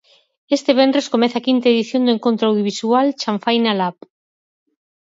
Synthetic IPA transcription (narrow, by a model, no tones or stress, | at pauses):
est̪eβ̞end̪ɾeskomeθakint̪aeðiθjond̪ueŋkont̪ɾoawðjoβisualt͡ʃaɱfajnalap